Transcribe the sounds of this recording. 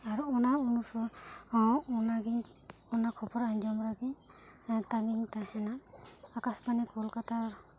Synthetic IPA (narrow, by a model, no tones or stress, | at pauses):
aɾuɔnaunusɔ | ɔnaɡi | ɔnakʰɔpɔɾaɲd͡ʒɔmɾaɡi | taɡintahɛnaakaspanɛkʰɔlkata